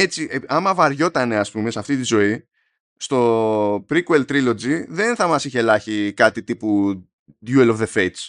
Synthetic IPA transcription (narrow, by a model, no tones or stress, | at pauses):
e̞t͡sieɐmɐvɐɾʝo̞t̪ɐne̞ɐspume̞sɐft̪it̪izo̞i | st̪o̞pɾikuelt̪ɾilo̞d͡ziðe̞nθɐmɐsiçelɐçikɐt̪it̪ipu | d̪juelovðe̞fe̞jt̪s